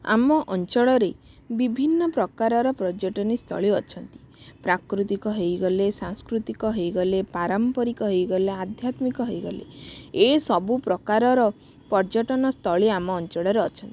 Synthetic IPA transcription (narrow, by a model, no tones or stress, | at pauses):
a̰mɔʔɔnt͡ʃɔɭɔɾe | bibʱinːɔpɾɔkaɾɔɾɔpɾɔd͡ʒɔʈɔnist̪ʰɔ̰ɭiɔt͡ʃʰɔnt̪i̥ | pɾakɾut̪ikɔɦejɡɔlesaŋskɾut̪ikɔɦejɡɔlepaɾɔmpɔɾikɔɦejɡɔlead̪ʱjat̪mikɔɦejɡɔlḛesɔbupɾɔkaɾɔɾɔ | pɔɾd͡ʒɔʈɔnɔst̪ʰɔɭiamɔːnt͡ʃɔɭɔɾeɔt͡ʃʰɔnt̪ii